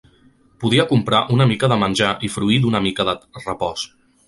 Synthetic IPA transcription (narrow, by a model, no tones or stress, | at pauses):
puðiəkumpɾaʔunəmikəðəmənʲʒaʔifɾuid̪unəmikəðərəpɔs